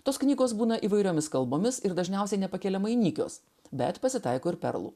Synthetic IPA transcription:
t̪oːsknʲiːɡoːsbuːnɐʔiːʋɐɪɾʲoːmʲɪskɐlˠboːmʲɪsɪɾd̪ɐʒʲnʲɛˑʊsʲɛɪnʲɛpɐkʲeːlʲɛmɐɪnʲiːkʲo̰ːs | bʲɛ̰t̪pɐsʲɪt̪ɐɪkoːɪɾpʲɛ̰ɾlˠṵ

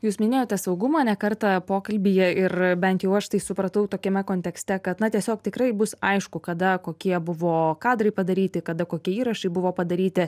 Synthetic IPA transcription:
juːsmʲɪnʲeːjoːtʲɛsɐʊɡʊmɑːnʲɛkɐrt̪ɑpoːkɐlʲbʲijɛɪrbʲɛnt̪jɛʊɐʃt̪ɐɪsʊpɾɐt̪ɐʊt̪oːkʲɛmʲɛkoːnʲt̪ʲɛksʲt̪ʲɛkɐt̪nɐt̪ʲiɛsʲoːk̚t̪ʲɪkɾɐɪbʊsɐɪʃkʊkɐd̪ɐkoːkʲiɛbʊʋoːkɑːd̪ɾɐɪpɐd̪ɐɾʲiːt̪ʲɪkɐd̪ɐkoːkʲiɛiːɾɐʃɐɪbʊʋoːpɐd̪ɐɾʲiːt̪ʲɪ

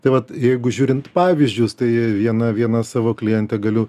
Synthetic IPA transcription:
t̪ɐɪʋɐt̪jɛɪɡʊʒʲuːɾʲɪnt̪pɑːʋʲizʲd͡ʒʲʊst̪ɐɪʋʲiɛnɐʋʲiɛnɐsɑːʋoːklʲɪjɛnʲt̪ʲɛɡɐlʲʊ

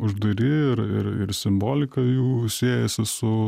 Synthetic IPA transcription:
ʊʒd̪ɐɾʲɪɪɾɪ̰ɾɪ̰ɾsʲɪmboːlʲɪkɐjuːsʲeːjɛsʲɪsʊ

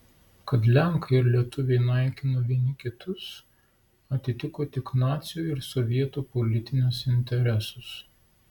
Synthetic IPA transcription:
kɐt̪lʲɛŋˑkɐɪɾlʲiɛt̪ʊʋʲeɪnɐˑɪkʲɪnoːʋʲiɛnʲɪkʲɪt̪ʊs | ɐt̪ʲɪt̪ʲɪkoːt̪ʲɪknɑːt̪sʲɪjuːɪɾsɔʋʲiɛt̪uːpɔlʲɪt̪ʲɪnʲʊsɪnʲt̪ʲɛɾʲɛsʊs

